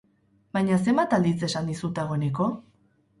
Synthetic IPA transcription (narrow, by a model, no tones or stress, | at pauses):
bajɲas̬e̞mbat̪ald̪it͡se̞sand̪isut̪aɣ̞o̞ene̞ko̞